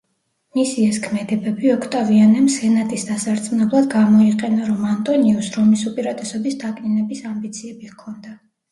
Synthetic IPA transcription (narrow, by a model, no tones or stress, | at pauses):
misiɛskʰmɛd̪ɛbɛbiɔkʰt̪ʼavianɛmsɛnat̪ʼisd̪asaɾt̪sʼmnɛblˠad̪ɡamɔiqʼɛnaɾɔmant̪ʼɔniusɾɔmisupʼiɾat̪ʼɛsɔbisd̪akʼninɛbisambit̪sʰiɛbikʰɔnd̪a